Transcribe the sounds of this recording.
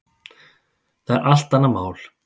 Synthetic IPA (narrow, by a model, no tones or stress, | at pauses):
θaðɛ̰ɾʔal̥t̪ːanːamaːwl̥